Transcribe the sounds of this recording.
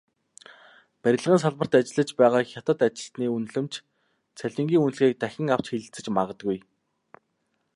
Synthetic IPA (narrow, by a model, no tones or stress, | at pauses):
pæɾʲɪ̆ɮʁə̆ns̬aɮmə̆r̥t̪at͡ɕɪ̆ɮə̆t͡ɕpæːʁaːxʲat̪ə̆t̪at͡ɕɪ̆ɬt̪niːunɮɘ̆mt͡ɕ | t͡sʰæɮʲɪ̆ŋɡʲiːŋunɮɣeːk̚t̪æxʲɪ̆ŋaw̥t͡ɕxiɮɘ̆ɬt͡sɘ̆t͡ɕmaʁə̆t̪ɡuj